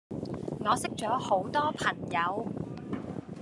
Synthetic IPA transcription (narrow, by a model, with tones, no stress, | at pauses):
ŋɔː˨˧sɪ˥k̚t͡ʃɔː˨˥ho˨˥wt̪ɔː˥pʰɐ˨˩ŋjɐ˨˧w